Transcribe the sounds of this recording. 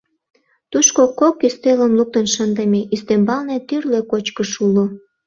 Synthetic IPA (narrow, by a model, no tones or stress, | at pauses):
t̪uʃkokokːist̪eləmluk̚t̪ənʃənd̪əmeʔist̪embɑlnet̪yrlekot͡ɕkəʃulo